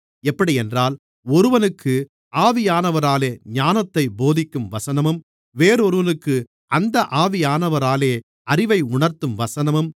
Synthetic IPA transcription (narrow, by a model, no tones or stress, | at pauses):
ɛpːɐɽiɛndraːl | ɔɾɯʋɐnɯkʰːɯ | aːʋɪjaːnɐʋɐɾaːleːɲaːnɐt̪ːɐɪboːðɪkːɯmʋɐsɐnɐmɯm | ʋeːɾɯɔɾɯʋɐnɯkːɯ | ʔɐnd̪ɐʔaːʋɪjaːnɐʋɐɾaːleː | ɐrɪʋɐɪʊɳɐɾt̪ɯmʋɐsɐnɐmɯm